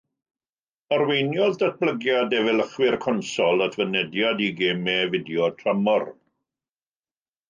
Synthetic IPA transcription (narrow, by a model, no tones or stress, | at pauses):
ɔrwejnjɔðdat̚b̥lˠəɡjadɛvɛləχwɪrkʰɔnsɔlˠətʰvənɛdjadiɡeːmɛvɪdjɔtʰramɔr